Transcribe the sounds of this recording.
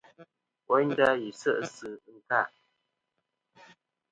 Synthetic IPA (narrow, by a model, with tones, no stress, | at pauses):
wɔ˦n˦da˦ji˨sə˦ʔsɨ˨˦ŋ̩˨ka˦˨ʔ